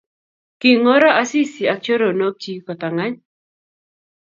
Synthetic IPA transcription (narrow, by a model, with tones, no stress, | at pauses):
kɪ˨ŋɔ˦ɾa˦ʔa˦si˦si˨a˨k̚t͡ʃo˦ɾo˨no˦k̚t͡ʃi˦kɔ˨t̪a˨ŋa˦ɲ